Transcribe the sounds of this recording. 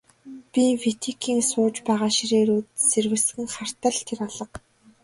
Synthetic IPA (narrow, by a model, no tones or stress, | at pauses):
pʲifit̪ʰikʰiːŋsʊːt͡ɕpæːʁaːʃiɾeːɾuːt̪serwɘ̆ɮsɡɘ̆ŋχar̥t̪ə̆ɮt̪ʰeraɮə̆q